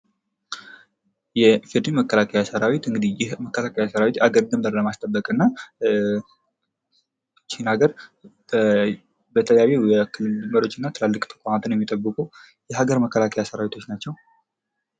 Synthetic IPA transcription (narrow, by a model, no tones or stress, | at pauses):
jɛfid̪iməkʰːəlakʰəjasəɾawit̪ɨŋɡɨd̪ijɛməkːəlakʰəjasəɾawit̪aɡəɾd̪əmbəɾləmast̪ʼəbːəkʼɨnːa | t͡ʃːihnaɡəɾ | bət̪ʰələjawejɛkʰɨlːɨlməɾo̞t͡ʃːɨnːat̪ʰɨlalːɨkʼt̪ʰə̥kʷʼamat̪ʰɨnjɛmːit̪ʼəbːɨkʼu | jɛɦaɡəɾməkːəlakʰəjasəɾawit̪ʰo̞t͡ʃːnat͡ʃːɛw